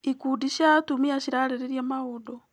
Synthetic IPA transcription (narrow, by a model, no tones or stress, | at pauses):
ikudiʃatumiaʃiɾaɾeɾeɾjamaodo